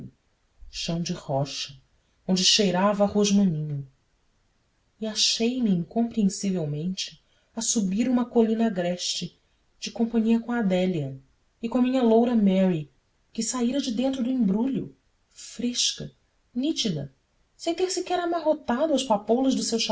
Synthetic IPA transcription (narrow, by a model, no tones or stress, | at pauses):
ʃɐ̃w̃d͡ʒɪhɔʃɐ | õnd͡ʒɪʃejɾavɐhoʒmɐ̃nĩɲʊ | iaʃejmiĩŋkõmpɾiẽsivewmẽnt͡ʃɪ̥ | ɐsubiɾũmɐkolĩnɐɡɾɛʃt͡ʃɪ | d͡ʒɪkõpɐ̃ɲiɐkõad̪ɛliɐ | ɪkõɐmĩɲɐlowɾɐmɛɾi | kɪsaiɾɐd͡ʒɪd̪ẽnt̪ɾʊd̪ʊĩmbɾuʎʊ | fɾeʃkɐ | nit͡ʃid̪ɐ̰ | sẽj̃t̪eɾsɪkɛɾamaɦot̪ad̪ʊawʃpapolɐʒd̪ʊsewʃ